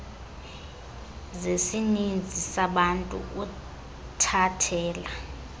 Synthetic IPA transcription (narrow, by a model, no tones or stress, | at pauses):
zesinind͡zʱisaɓantʼṵu | tʰatʰɛːla